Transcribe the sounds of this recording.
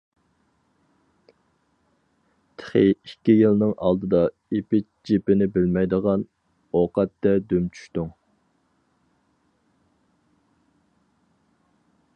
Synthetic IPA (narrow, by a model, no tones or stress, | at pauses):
t̪ʰɪ̥χiikʲːijilnɨŋʔɑlˠd̪ɨd̪ɑ | epɪt͡ʃd͡ʒipɪnɪbɪlmɛjd̪əʁɑn | oqɑt̪ːɛd̪ømt͡ʃʰy̥ʃt̪uŋ